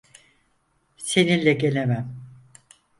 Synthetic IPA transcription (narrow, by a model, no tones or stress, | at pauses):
se̞ninlʲɛɟe̞lʲemæm